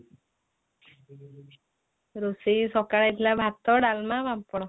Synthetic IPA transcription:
ɾusisɔkaɽajt̪ʰilabʱat̪ɔɖalmabampɔɽɔ

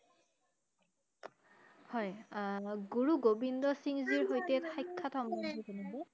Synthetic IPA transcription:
hɔj | ɡuɹuɡobindɔsiŋziɹɦojtɛtʰajkʰːatʰɔmɔndibɔnɔbɔ

